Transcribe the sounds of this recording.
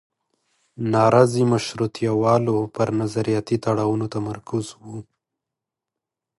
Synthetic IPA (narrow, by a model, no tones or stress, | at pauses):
nɑɾɑzimaʃɾut̪ʰjawɑlopəɾnazaɾijɑt̪it̪aɽɑwunot̪amaɾkʊzwu